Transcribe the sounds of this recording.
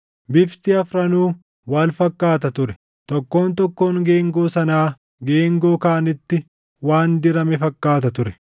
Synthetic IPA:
bɪft̪ɪɐfɾɐnuː | waːlfɐkːaːt̪ɐt̪ʊɾɛ | t̪ɔkːo̞ːnt̪ɔkːo̞ːŋɡe̞ːŋɡoːsɐnaː | ɡe̞ːŋɡoːkaːɐnɪt̪ːɪ | waːnd̪ɪɾɐmɛfɐkːaːt̪̬ɐt̪ʊɾɛ̥

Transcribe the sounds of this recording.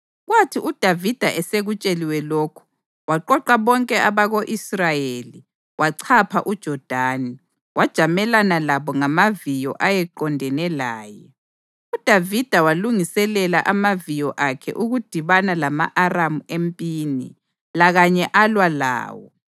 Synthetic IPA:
ɣwatʰiʔud̥ʱavid̥ʱaʔɛseɣut͡ʃʼeliwɛloːkʰu̥ | waǃɔǃaβɔŋkʼɛʔaβaɣoʔisrajeli | wʔaǀʰapʰaʔud̥ʒ̥ʱɔd̥ʱani | wʔad̥ʒ̥ʱamɛlanalaβɔŋamavijɔ̰ʔajɛǃɔndʱɛnɛlaːjɛ | ud̥ʱavid̥ʱawaluŋisɛlɛlaʔamavijɔʔakʰɛ̰ʔuɣud̥ʱiβanalama̰ʔaramuempʼiːnḭ | laɣaɲɛʔalwala̰ːwɔ

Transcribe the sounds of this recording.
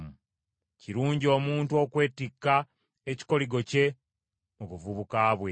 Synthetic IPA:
mu | ciɾuːɲɟio̞ːmuːntuo̞kwe̞ːtikːa | eci̥ko̞liɡo̞ce̞ | oβuvuβukaːβwe

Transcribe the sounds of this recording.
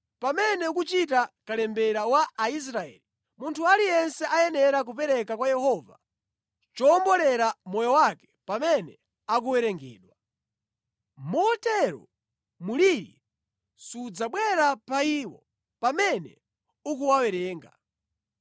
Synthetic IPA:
pamɛnɛuk̬ut͡ʃitakalɛmbɛɾawaːis̬ɾaɛ̰ːli | muntʰualijɛnsɛʔajɛnɛɾak̬up̬ɛɾɛkakwajɛhɔva̰ | t͡ʃɔːmbɔlɛɾamɔjɔwakɛ̥pamɛnɛ | ak̬uwɛɾɛŋɡɛ̰ːɗwa | mɔtɛɾɔ̰ | muliɾḭ | sud͡zaɓwɛɾapaiːwɔ̰ | pamɛnɛ̰ | uk̬uwawɛɾɛːŋɡa̰

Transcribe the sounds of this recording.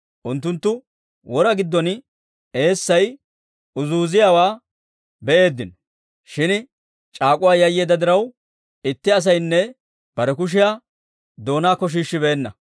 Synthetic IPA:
ʔʊnt̪ːʊnt̪ːʊ | wɔɾɐɡɪd̪ːɔn | e̞ːsːɐj | ʊzuːzɪjaːwaː | bɛʔe̞ːd̪ːɪnɔ | ʃɪn | t͡ʃʼaːkʼʊwaːjɐjːeːd̪ɐd̪ɪɾɐw | ɪt̪ːɪɐs̬ɐjnːɛ | b̥ɐɾɛkʊʃ̬ɪjaː | d̪o̞ːnaːkɔʃ̬iːʃːɪbɛeːnːɐ̰

